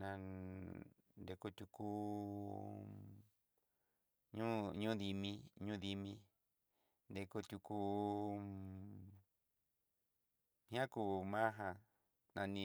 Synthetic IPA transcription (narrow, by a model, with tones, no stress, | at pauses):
nã˧ | nd̪e˧ko˧t̪ʲu˧ku˧ | ɲũ˦ɲũ˦ði˧mĩ˧ɲũ˦ði˧mĩ˧ | nd̪e˧ko˧t̪ʲu˧ku˧ | hã˦kuː˧mã˦ɦã˧ | nã˧nĩ˧